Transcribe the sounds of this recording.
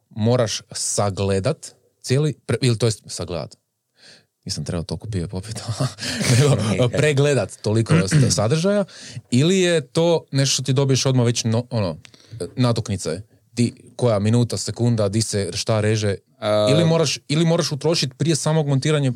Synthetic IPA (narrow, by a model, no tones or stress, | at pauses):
mo̞ːɾaʃsaɡled̪at̪ | t̪sʲjeːlipɾeilit̪ojest̪saɡlḛd̪a̰t̪ | niːsamt̪ɾebat̪olkopiepo̞pi̥t̪ʰoneɡopɾeɡled̪at̪ːolikosad̪r̩ʒajailijet̪o̞ːneʃt̪oʃt̪ot̪id̪o̞bije̞ʃo̞d̪maʋe̞t͡ɕnoononat̪oknit̪se | t̪iko̞jaminuːt̪asekund̪ad̪iseʃt̪aɾeʒe | ilimoɾaʃilimo̞ːɾaʃut̪ɾo̞ʃit̪pɾijesaːmoɡmont̪iːɾaɲe